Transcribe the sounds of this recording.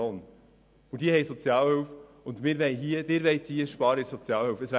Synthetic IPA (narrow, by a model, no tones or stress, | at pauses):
oːn | ʊd̥̪iəhɛɪsɔt͡sjɑːlhølf | ʊnd̪mɪːɾʋɛɪɦiəd̥̪ɪːɾʋɛɪtiːʃpɑːɾəɪsɔt͡sjɑːlhølfəsʋæ